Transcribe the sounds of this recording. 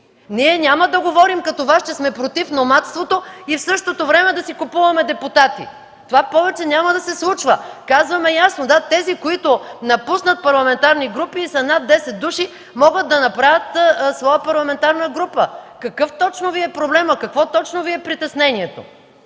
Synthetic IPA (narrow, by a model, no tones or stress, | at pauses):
niɛnʲaməd̪ɐɡovɔɾimkɐt̪ovast͡ʃɛsmɛpɾot̪ifnomat̪st̪vot̪oifsɤʃt̪ot̪ovɾɛmɛd̪ɐsikʊpuvɐmɛd̪ɛput̪at̪ḭ | t̪ovapɔvɛt͡ʃɛnʲaməd̪ɐsɛslˠut͡ʃvəkazvɐmɛjasnod̪at̪ɛzikoit̪ʊnɐpusnət̪̚pɐɾlˠɐmɛnt̪aɾniɡɾupiːsɐnad̪dːɛsɛt̪̚d̪uʃi | mɔɡət̪̚d̪ɐnɐpɾavʲɐt̪svɔjəpɐɾlˠɐmɛnt̪aɾnəɡɾupəkɐkɤft̪ɔt͡ʃnoviɛpɾoblɛməkɐkvɔt̪ɔt͡ʃnoviɛpɾit̪ɛsnɛniɛt̪o̰